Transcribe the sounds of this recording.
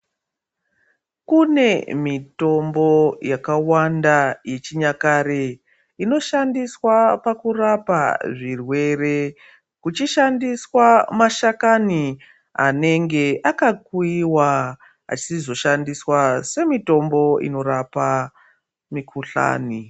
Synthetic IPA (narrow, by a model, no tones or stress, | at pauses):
kune̞mito̞mbo̞jakawandaje̞t͡ʃiɲakaɾe | ino̞ʃandiswapakurapa̰ʐirwe̞re̞ | kut͡ʃiʃandiswamaʃakani | a̰ne̞ŋɡe̞ʔakakwiwa | a̰t͡ʃisizo̞ʃandiswase̞mito̞mbo̞ḭno̞ɾapa | mikʰuɬa̰ːni